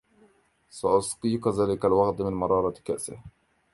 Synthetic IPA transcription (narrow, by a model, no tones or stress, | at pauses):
sɑʔʊsqiːqðaːlɪkalwɑɣt̪mɪnmɑɾˤɑːɾˤɑka̰ʔsɪ̰h